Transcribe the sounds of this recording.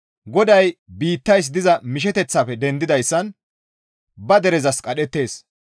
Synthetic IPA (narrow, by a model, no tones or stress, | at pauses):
ɡɔd̪ɐjbiːt̪ːɐjs̬d̪ɪzɐmɪʃ̬ɛt̪ɛt͡sːaːfɛd̪ɛnd̪ɪd̪ɐjsːɐn | bɐd̪ɛɾɛzɐskʼɐɗɛt̪ːe̞ːs